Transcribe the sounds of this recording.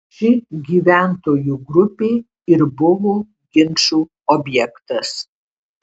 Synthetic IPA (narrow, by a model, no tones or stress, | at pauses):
ʃʲɪɡʲiːʋʲæˑnt̪oːjuɡɾʊpʲeː | ɪɾbʊʋoː | ɡʲɪnʃuː | ɔbʲjɛkt̪ɐs